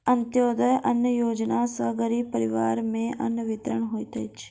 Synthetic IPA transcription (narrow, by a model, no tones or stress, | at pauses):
ɐnt̪joːd̪əjʔɐnjəjoːd͡ʒnasɐɡəɾiːbpəɾɪʋaːɾmẽʔɐnjəʋɪt̪ɾəɳ̃ɦoːit̪ʰɐt͡ʃʰ